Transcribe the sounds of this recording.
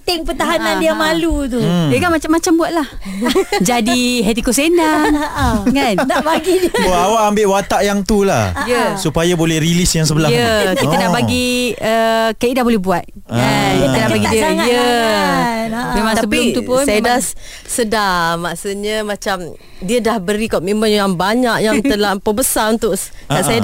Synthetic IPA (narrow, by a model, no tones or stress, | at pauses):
pət̪ɛŋpət̪aɦanãndiamalut̪̬ujəkanmat͡ʃamːat͡ʃambuat̪̚lah | d͡ʒadiɦɛt̪ikosenaŋŋannabaɡiawaʔambɪʔwat̪aʔjaŋt̪ula̰hjəsupajabolɛhɾilisjaŋsəbəlaətkiənaʔbaɡiəkaidahbolɛhbuat̪̚ | aənapaɡidijə | imãt̪asəbit̪upsajabdas | sədamaʔsutɲəmãt͡ʃam | diədahbəɾikomimənjaŋbaɲaʔjaŋt̪əlapəbəsaunt̪ʊʔaʔsaja